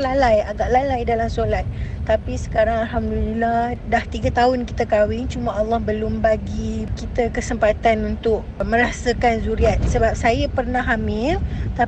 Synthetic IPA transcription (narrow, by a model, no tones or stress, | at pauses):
lalajaɡaʔlalajdalamsolat̪̚t̪apisə̥kaɾaŋalɦamdulilahdaht̪iɡat̪aʊnkit̪akawɪŋt͡ʃumaalːɑhbəlʊmbaɡikit̪akəsəmpat̪anunt̪ʊk̚mə̃ɾasakanzuɾiat̪̚səbap̚sajapərnaɦamɪlt̪a